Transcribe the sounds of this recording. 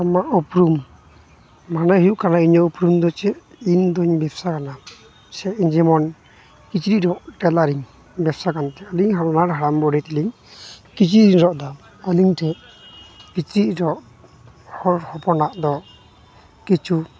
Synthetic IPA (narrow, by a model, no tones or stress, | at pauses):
amaʔupɾum | anaɦiuʔkanaiɲɔupɾumd̪ɔt͡ʃɛ | ind̪ɔɲbɛbsakana | sɛʔiɲd͡ʒɛmɔn | kit͡ʃɾiʔɾɔʔʈɛlaɾiŋ | bɛbsakant̪ɛəliŋɦaɾnaɾɦaɾambɔɽɛt̪iliŋ | kit͡ʃɾiɾiŋɾɔʔd̪a | əliŋtʰɛ | kit͡ʃɾiʔɾɔʔ | hɔɾhɔpɔnaʔd̪ɔ | kit͡ʃʰu